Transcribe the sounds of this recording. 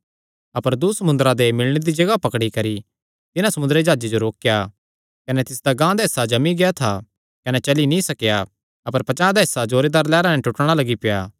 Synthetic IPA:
ɐpəɾd̪usɐmʊ̃nd̪əɾãd̪emɪlɽ̃ed̪id͡ʒɐɡapɐkɽikɐɾi | t̪ɪnãsɐmʊ̃nd̪ɾed͡ʒaːd͡ʒed͡ʒoɾoːkja | kɐnɛt̪ɪsd̪aɡãːd̪aɪsad͡ʒɐmiɡejat̪ʰa | kɐnɛt͡ʃɐlinĩsɐkja | ɐpəɾpɐt͡ʃãːd̪aɪsad͡ʒoːɾed̪aːɾlɛːɾãnɛ̃ʈʊʈɽ̃alɐɡipɪjaː

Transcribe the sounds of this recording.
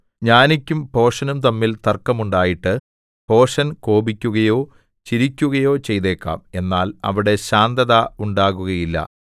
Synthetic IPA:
ɲaːnikʲːumpo̞ːʂɐnumt̪ɐmːilt̪ɐrkːɐmuɳɖaːjiʈːɨ | po̞ːʂɐnko̞ːbikʲːuɣɐjo̞ː | t͡ɕiɾikʲːuɣɐjo̞ːt͡ɕe̞jt̪e̞ːkːa̰ːme̞nːaːlɐ̰ʋiɽe̞ɕaːnd̪ɐðɐuɳɖaːɣuɣɐjilːɐ̰

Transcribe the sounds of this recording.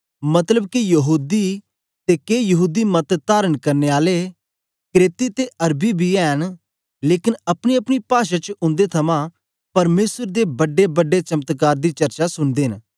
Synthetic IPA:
mɐt̪ləbkijɐɦuːd̪i | t̪ekeːjɐɦuːd̪imɐt̪t̪aːɾənkɐɾneːaːle | kɾeːt̪it̪eʔɐɾbibʱiɛːñ | leːkɪnɐpɽ̃iɐpɽ̃ipaːʃat͡ʃʊ̃nd̪et̪ʰɐmãː | pɐɾmeːsəɾd̪eːbɐɖːebəɖːet͡ʃɐmət̪kaːɾd̪iːt͡ʃɐɾt͡ʃasʊnd̪eːɦn

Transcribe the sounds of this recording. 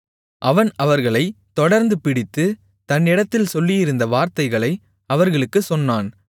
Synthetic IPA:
ʔɐʋɐnɐʋɐɾɣɐɭɐɪt̪ːɔɽɐɾnd̪ɯpɪɽɪt̪ːɯ | t̪ɐnːɪɽɐt̪ːɪlsɔlːɪjɪɾɯnd̪ɐʋaːɾt̪ɐɪɣɐɭɐɪ | ɐʋɐɾɣɐɭɯkːɯsɔnːaːn

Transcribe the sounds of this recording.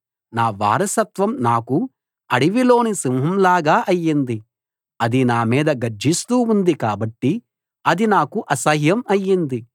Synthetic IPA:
naːʋa̰ːɾɐsɐt̪ʋɐmnaːku | ɐɽiʋilo̞ːnisimɦɐmlaːɡaːʔɐjːind̪i | ɐd̪inaːmiːd̪ɐɡɐɾd͡ʒʱist̪uːund̪ikaːbɐʈːi | ɐd̪inaːkuʔɐsɐɦjɐmɐjːind̪i

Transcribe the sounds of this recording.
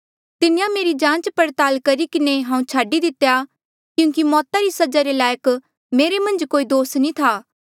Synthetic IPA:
t̪ɪnɪjãmeːɾid͡ʒãːt͡ʃpɐɾt̪aːlkɐɾikɪneɦãːũt͡ʃʰaːɖid̪ɪt̪eja | kjũːkimɔːt̪aɾisɐd͡ʒaɾelaːjək | meːɾemɐ̃nd͡ʒkoːid̪oːsnĩt̪ʰaː

